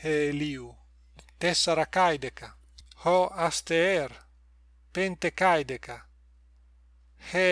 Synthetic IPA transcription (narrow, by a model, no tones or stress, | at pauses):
heliu | t̪esaɾakajd̪eka | hɔast̪eɛɾ | pent̪ekajd̪eka | he